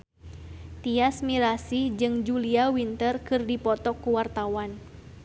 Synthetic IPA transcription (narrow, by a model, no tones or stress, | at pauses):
t̪iasmiɾasid͡ʒɨŋd͡ʒuliawint̪ərkɨrdipɔt̪ɔkːuwart̪awan